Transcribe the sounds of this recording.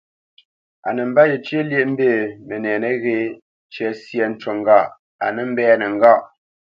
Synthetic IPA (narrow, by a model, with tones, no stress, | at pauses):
a̰˨nə˨m̩˦ba˦je˨t͡ʃje˦lje˦ʔm̩˦beː˦˨me˨nɛː˨ne˦ɣe˦ | t͡ʃɛ˦sjɛ˨n̩˦t͡ʃo˨ŋ̩˦ɡa˦˨ʔ | a˨nə˨m̩˦bɛː˦ne˨ŋ̩˨ɡa˦˨ʔ